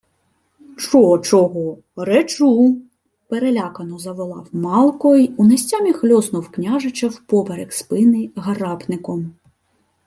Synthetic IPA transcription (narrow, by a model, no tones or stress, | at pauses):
t͡ʃɔɔt͡ʃɔɦɔ | ɾet͡ʃu | peɾelʲakɐnɔzɐʋɔlˠɑ̰wmɑlˠkɔjiunɐsʲt͡sʲamʲixlʲɔznʊwknʲaʒɪt͡ʃɐwpɔbeɾekspɪnɪɣɐɾɑpnɪkɔm